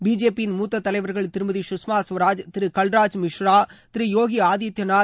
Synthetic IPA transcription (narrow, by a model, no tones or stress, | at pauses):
biːd͡ʒeːpijɪnmuːt̪ːɐt̪ːɐlɐɪʋɐɾɣɐɭt̪ɪɾɯmɐðiʃʊsmaːsʋɐɾaːd͡ʒt̪ɪɾɯkɐlɾaːd͡ʒmɪʂɾaːt̪ɪɾijoːɣiaːðit̪jɐnaː